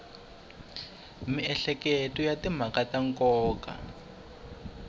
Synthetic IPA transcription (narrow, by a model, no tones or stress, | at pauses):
miɛɬɛketɔjatim̤akataŋkɔːka̰